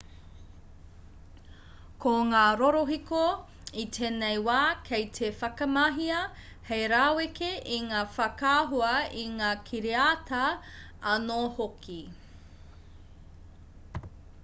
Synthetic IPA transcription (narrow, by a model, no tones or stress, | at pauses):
kʰoŋaːɾoɾoɦiko | itʰeːnejwaːkʰejtʰefɐkɐmɐɦiɐ | hejɾaːwekeʔiŋaːfɐkaːɦuɐiŋaːkʰiɾeatɐ | ɐnohokʰi